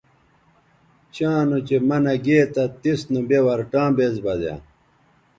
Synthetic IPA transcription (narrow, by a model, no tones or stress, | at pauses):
t͡ɕãːnot͡ɕemɐnɐɡeːt̪ɐt̪isnubewɐɾʈãːbeːzbɐd̪jã̰ː